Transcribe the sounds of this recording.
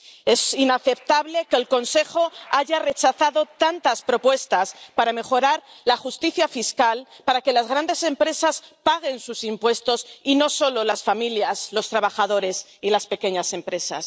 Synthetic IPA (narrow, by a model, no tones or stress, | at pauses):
e̞sinaθe̞p̚t̪aβle̞keːlko̞nse̞xo̞aʝare̞t͡ʃaθaðo̞t̪ant̪aspɾo̞pwe̞st̪aspaɾame̞xo̞ɾaɾ | laxust̪iθjafiskalpaɾake̞lazɣɾand̪e̞se̞mpɾe̞saspaɣ̞e̞nsusimpwe̞st̪o̞sino̞so̞lo̞lasfamiljaslo̞st̪ɾaβaxaðo̞ɾe̞silaspe̞ke̞ɲase̞mpɾe̞sa̰s